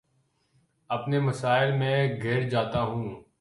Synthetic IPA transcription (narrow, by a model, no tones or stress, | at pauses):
ɐpnemɐsaːɪlmɛ̃ːɡʱɪɾd͡ʒaːt̪aɦũː